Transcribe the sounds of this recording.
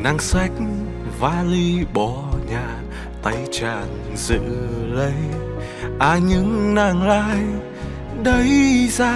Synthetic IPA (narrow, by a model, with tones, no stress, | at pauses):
na˧ŋsa˧˦˥jk̚ | vaː˧li˧ɓɔ˨˧˩ɲaː˨˩ | t̪a˨˦jt͡ɕaː˧˩n | zɨ̰˧˨lə˨˦j | ʔaː˧˩ɲɨ˧˦ŋnaː˧˩ŋlaː˧j | ɗə˨˧˦jzaː˧